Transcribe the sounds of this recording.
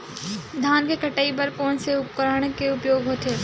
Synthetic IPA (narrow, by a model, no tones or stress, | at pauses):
d̪ʱaːnkekʰɐʈəːibɐɾkõːnseʊpkɾaːɽ̃keʊpjoːɡɦoːt̪eː